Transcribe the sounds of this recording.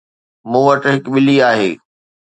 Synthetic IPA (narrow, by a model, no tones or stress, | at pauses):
mũːʋɐʈɦɪkɓɪliaːɦḛː